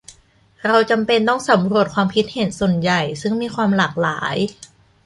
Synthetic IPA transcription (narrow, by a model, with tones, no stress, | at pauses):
ɾa˧wt͡ɕa˧mpe˧nt̪ɔ˥˩ŋsa˩˦mɾu˧˩ət̪̚kʰwaː˧mpʰi˦˥t̪̚he˨˩˦nso˨˩nja˨˩jsɯ˥˩ŋmiː˧kʰwaː˧mlaː˨˩k̚laː˩˦j